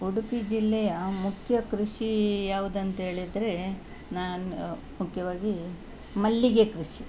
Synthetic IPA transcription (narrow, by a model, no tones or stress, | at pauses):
uɽupid͡ʒilːɛjɐmukʰjɐkɾuʂijaːʋud̪ɐnt̪ɐɦe̞ːɭid̪ɾe̞ | naːn | mukʰjɐʋaːɡi | mɐlːiɡekɾuʂi